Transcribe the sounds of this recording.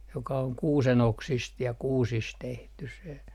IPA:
jokɑ oŋ kuːsen oksist jɑ kuːsis tehtys̆ se

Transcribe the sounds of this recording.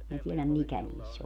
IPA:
minæ tielæm mikæ niːsː

